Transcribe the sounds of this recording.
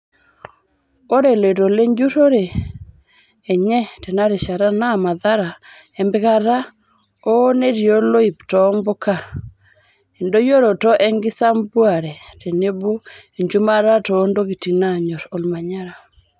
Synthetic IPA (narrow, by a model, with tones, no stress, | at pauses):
o˦ɾe˨le˨ɾo˨le˦ɲd͡ʒu˦ɾo˦ɾe˨ | ɲɛ˦te˨na˦ɾe˨ʃa˨ɾa˦na˦˨ma˨ða˦ɾa˨ | ɛ˦mbɪ˦ka˦ɾa˦ | o˦ne˦ɾjo˦lo˦i˨ptɔ˨˦mbo˦ka˦˨ | e˨ndo˦jo˦ɾo˨tɔ˦ʔɛ˦ŋɡɪ˦sa˦mbwa˨ɾɛ˨te˨ne˦bo˦e˨ɲd͡ʒu˦ma˦ɾa˦to˨˦ndo˦ɡi˨ti˨na˦˨ɲɔ˨ɾo˨lma˨ɲa˦ɾa˨